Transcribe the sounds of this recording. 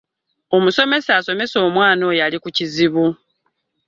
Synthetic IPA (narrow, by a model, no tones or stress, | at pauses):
o̞muso̞me̞saso̞me̞so̞ːmwaːno̞jalikuciziβu